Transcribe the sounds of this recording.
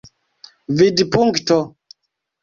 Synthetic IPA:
vidpuŋktɔ

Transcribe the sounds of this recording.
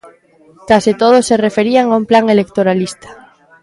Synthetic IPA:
k̪asit̪oð̞oserefeɾiaŋaumplaŋelek̚t̪oɾalist̪ḁ

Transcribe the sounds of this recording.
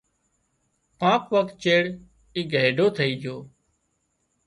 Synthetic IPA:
pãːkʋəkt̪̚t͡ʃeːɽ | iːɡʱeːɖʱoːt̪ʰəiːd͡ʒʱoː

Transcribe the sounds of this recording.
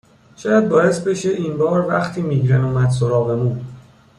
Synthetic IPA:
ʃɒːjæd̪̚bɒːje̞s̚be̞ʃe̞ʔinbɒːɾvæxt̪ʰiːmiːɡɾenuːmæd̪s̬oɾɒːɣe̞muː

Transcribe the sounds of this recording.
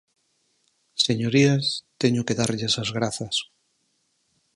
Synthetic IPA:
seɲoɾiast̪eɲʊkeðaɾʎesazɣɾaθɐs

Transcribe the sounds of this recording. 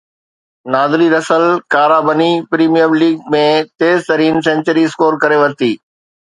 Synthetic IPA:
naːd̪liɾɐsəlkaːɾaːbənipɾiːmijəmliːɡ̚mẽt̪eːzt̪ɐɾiːns̬ẽɲt͡ɕəɾiɪskoːɾkɐɾeʋɐɾt̪iː

